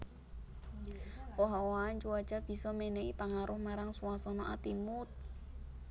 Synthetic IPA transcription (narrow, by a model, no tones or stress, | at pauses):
wɔɦawaːnt͡ʃuḁt͡ʃab̥i̤sɔmenɛipaŋaɾʊhmaɾaŋsuwasɔnɔʔat̪imut̪̚